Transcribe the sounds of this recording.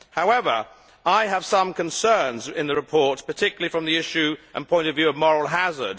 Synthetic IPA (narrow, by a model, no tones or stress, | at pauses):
haʊɛvə̰˞ | aɪəv̥sʌ̃mkʰɨ̃nsɜ˞nzɪ̃nðəɹɨpʰɔɹtspə˞tʰɪkjl̩ˠifɹə̃mðiɪʃʉʔə̰̃npʰɔ̃ɪ̃ntəvjʉʌvmɔɹəl̩ˠɦazə̰˞d̥